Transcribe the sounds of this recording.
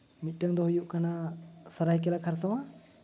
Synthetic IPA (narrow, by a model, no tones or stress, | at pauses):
mit̪̚ˀʈəŋd̪ɔɦujuʔkana | səɾajk̬ɛlakʰaɾsɔwa